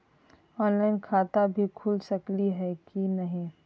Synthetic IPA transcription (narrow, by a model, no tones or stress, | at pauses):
ɔːnlaːɪnkʰaːt̪abʱikʰʊlsɐkliɦɛkinɐɦĩ